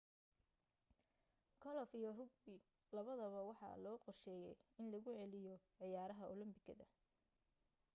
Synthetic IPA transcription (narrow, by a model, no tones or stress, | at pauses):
kʰɔlɔfijɔrʊɡ̚bɪ | lɐβɐðɐβɐwɑħɑ̰lɔːqɔrʃɛːjɛjɪnlɐɣʊʕɛlɪjɔʕɪjaːɾɐɦɐʔʊlʊmbɪɡɐðɐ